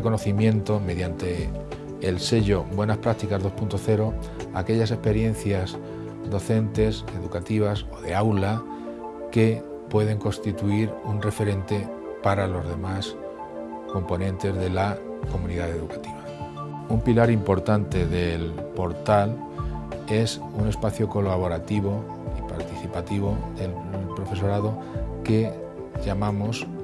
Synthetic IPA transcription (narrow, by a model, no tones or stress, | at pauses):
ko̞no̞θimjẽ̞nt̪o̞me̞ðjant̪e̞ː | lse̞ʝo̞bwe̞naspɾat̪ikazðo̞spunt̪o̞θe̞ɾo̞ | a̰ke̞ʎas̬e̞spe̞ɾje̞n̟θjaz | d̪o̞θe̞nt̪e̞se̞ðukat̪iβ̞aso̞ðe̞awla | ke̞ | pwe̞ð̞e̞ŋko̞nst̪it̪uiɾunre̞fe̞ɾẽ̞nt̪e̞ | paɾalo̞zðe̞mas | ko̞mpo̞nẽ̞nt̪e̞zðe̞la | ko̞mũniðaðe̞ðukḁt̪iβa | umpilaɾimpo̞ɾt̪ant̪e̞ðelpo̞ɾt̪al | e̞s | une̞spaθjoko̞laβ̞o̞ɾat̪iβ̞o̞ | ipa̰ɾt̪iθipat̪iβ̞o̞ðe̞lnumpɾo̞fe̞so̞ɾaðo̞ | ke̞ | ʎamãmos